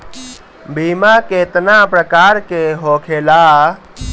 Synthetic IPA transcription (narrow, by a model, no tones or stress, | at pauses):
bimakeːt̪napɾəkaːɾkeɦoːkʰeːlaː